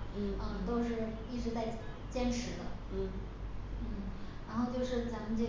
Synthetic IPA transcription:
ə˥˧t̪o˥ʊʂɻ̩˥˧ | i˥˩ʈ͡ʂɻ̩˧˥t͡sa˥˩ɪt͡ɕjɛ˥nʈ͡ʂʰɻ̩˧˥d̪ə̰˧˥˩ | n̩˥˩ɻa˧˥nxo˥˧ʊt͡ɕjo˥˧ʊʂɻ̩˥˩t͡sa˧˥mə˧nt͡ɕi˥˧

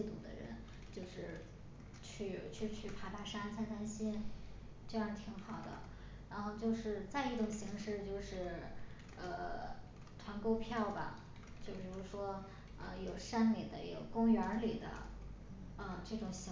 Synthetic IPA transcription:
i˥˧t̪ṵ˨˩d̪ə̰˦ɻə̰˧˥n | t͡ɕjo˥˧ʊʂɻ̩˥˧˩ | t͡ɕʰy˥˩t͡ɕʰy˥˧t͡ɕʰy˥˩pʰa˧˥pa˧˥ʂa˥nt͡sʰa˥˩ɪt̪ʰa˥˩nɕi˥n | ʈ͡ʂɤ˥˧jɑ˥˩˧t̪ʰi˧˥ŋxɑ˨˩ʊd̪ə̰˦ | ɻa˧˥nxo˥˧ʊt͡ɕjo˥˧ʊʂɻ̩˥˧t͡sa˥˧ɪi˥˩ʈ͡ʂʊ˨˩ŋɕi˧˥ŋʂɻ̩˥˧t͡ɕjo˥˧ʊʂɻ̩˥˩ | ə˧ | ʈ͡ʂʰwa˧˥nko˥ʊpʰjɑ˥˩ʊbɐ̰˩ | t͡ɕjo˥˩ʊpʰi˨˩ɻu˧˥ʂwɔ˥ | ə̰˧jo˨˩ʊʂa˥nli˨˩d̪ə̰˦jo̰˨˩ʊkʊ˥ŋɥə˧˥li˨˩d̪ə̰˦ | ə˧ʈ͡ʂɤ˥˩ʈ͡ʂʊ˨˩ŋɕi˧˥

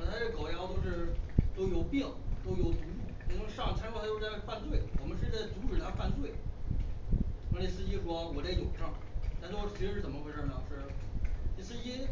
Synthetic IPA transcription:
t̪ʰa˥˧ʂɻ̩˥˩kɑ˨˩ʊjɑ˥ʊt̪o˥ʊʂɻ̩˥˧t̪o˥ʊjo˨˩ʊpjɛ˥˩ŋt̪o˥ʊjo˨˧˩ʊt̪u˧˥u˥˩e˧˥˩n˧˥ŋʂɑ˥˩ŋt͡ɕʰa˥n˥w̪a˥jo˥a˥˧˥fa˥˧nt͡swe˥˩ɪwɔ˨˩mə˦nʂɻ̩˥˩t͡sa˥˩ɪt͡s̪u˧˥ʈ͡ʂɻ̩ʰ˨˩a˥˧fa˥˧nt͡swe˥˩ɪ | a˧˥li˧˩sɹ̩˥t͡ɕi˥˩ʂwɔ˥wɔ˨˩la˥˩ɪjo˨˩ʊʂɑ˥˩ŋt̪ʰa˥˩n˩t̪o˥ʊ˩t͡ɕʰʂɻ̩˧˥ɻ̩˥˩t͡sə˨˩mə˧xwʈ͡ʂə˥˩nə˩ʂɻ̩˥˩ | i˧˥˩sɹ̩˥˧i˥

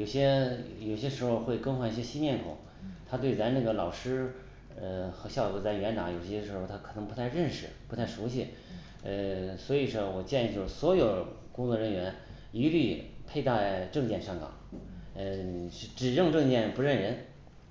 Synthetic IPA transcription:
jo˨˩ʊɕjɛ˥jo˨˩ʊɕjɛ˥ʂɻ̩˧˥xo˧ʊxwe˥˩ɪkɤ˥nxwa˥˩ni˧˩ɕjɛ˥ɕi˥mjɛ˥˩nkʰo̰˨˩˦ | t̪ʰa˥t̪we˥˩ɪt͡sa˧˥na˥˩ɡə˩lɑ˨˩ʊʂɻ̩˥ | ə˧xɕjɑ˥˧ʊɔ˧˥t͡sa˥˩ɪɥɛ˧˥nt̪ɑ˧˥ŋjo˨˩ʊɕɛ˥ʂɻ̩˧˥xo˧ʊt̪ʰa˥kʰɤ˨˩nɤ˧˥ŋpu˧˥t̪ʰa˥˧ɪɻə˥˧nʂɻ̩˥˩pu˧˥t̪ʰɪʂu˧˥ɕi˥˩ | ə˥˧swɔ˧˥i˨˩ʂɔ˥˩wɔ˨˩t͡ɕjɛ˥˧ni˥˩t͡ɕo˥˩˥swɔ˧˥jo˨˩ʊ | kʊ˥ŋt͡swɔ˥˩ɻə˧˥nɥɛ˧˥n | i˧˥ly˥˩pʰe˥˧ɪt̪a˥˩ʈ͡ʂɤ˥˧ŋt͡ɕjɛ˥˧nʂɑ˥ŋɡɑ̰˨˩˦ŋə˧˥˩ʈ͡ʂɻ̩˨˩ɻɤ˥˧ŋʈ͡ʂɤ˥˧ŋt͡ɕjɛ˥˩npɻə˥˩nɻə˧˥n

